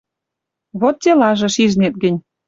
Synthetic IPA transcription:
βot̪̚ːʲelɑʒĕʃiʒnet̪̚ɡɘ̆nʲ

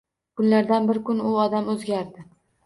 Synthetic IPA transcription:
kʰʊnlaɾd̪anbɪɾkʊnʊɒd̪amɵzɡʲaɾd̪ɪ

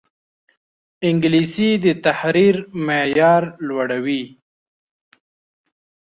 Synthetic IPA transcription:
ɪŋɡlisid̪ət̪ahɾiɾmejɑːɾlwaɽawi

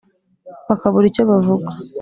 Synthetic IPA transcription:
βakaβuɾicoβavuɡḁ

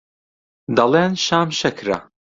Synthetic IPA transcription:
d̪ɐleːnʃaːmʃɐkʰɾɐ̰

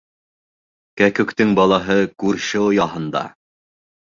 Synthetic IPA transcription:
kækɵ̆kt̪ɘŋbɑlˠɑɦɤkʉɾʃɘŏjɑɦɤ̆nd̪ɑ̰

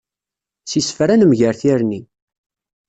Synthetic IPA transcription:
sisfɾænəmʝəɾθiɾni

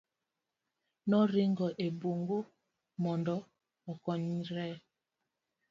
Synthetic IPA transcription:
nɔɾiŋɡɔʔeboŋɡo | mɔndɔ | ɔkɔɲiɾɛ

